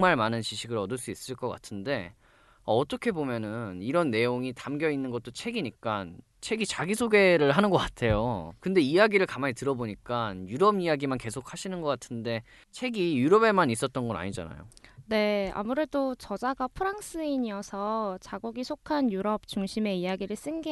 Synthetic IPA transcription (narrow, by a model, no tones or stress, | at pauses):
ŋmaɭmanɯnt͡ɕiɕʰiɡɯɭʌdɯɭs͈uis͈ɯɭk͈ʌk͈a̰tʰɯnde̞ | aːt͈ʌkʰe̞bomjʌnɯniɾʌnːe̞joŋitamɡjʌinːɯnɡʌt̚t͈ot͡ɕʰe̞ɡiɲik͈an | t͡ɕʰe̞ɡit͡ɕaɡisʰoɡe̞ɾɯɭɦanɯnɡʌk͈atʰe̞jokɯnde̞ijaɡiɾɯɭkamaɲitɯɾʌboɲik͈anjuɾʌbijaɡimanke̞sʰok̚ʰhaɕʰinɯnɡʌk͈atʰɯnde̞ | t͡ɕʰe̞ɡijuɾʌbe̞manis͈ʌt̚t͈ʌnɡʌna̰ɲid͡ʑa̰na̰jo̰ne̞a̰muɾe̞dot͡ɕʌd͡ʑaɡapʰɯɾaŋs͈ʰɯiɲiʌsʰʌt͡ɕaɡuɡisʰokʰanjuɾʌp̚t͡ɕuŋɕʰime̞ijaɡiɾɯɭs͈ɯnɡi